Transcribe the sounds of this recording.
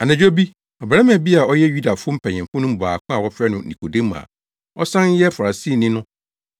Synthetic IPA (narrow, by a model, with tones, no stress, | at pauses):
a˨nã˨d͡ʑᶣo˦bi˦ | ɔ˨bɛ˨a˦mæ̃˨bi˦a˨ɔ˦jɛ˦ju˦da˨fʊ˦ʊ̃˦m̩˦pʰɛ̃˨ɲɛ̃˨fʊ̃˦nʊ̃˦m̩˦bʊ˨a˨kʷʰʊ̃˦a˨wɔ˦fɾɛ˦nʊ̃˨nḭ̃˨kʰo˨dẽ˦m˨a̰˨ | ɔ˦sã˦n˦jɛ˦fa˨ɾa˨si˦˨nɪ̃˦nʊ̃˦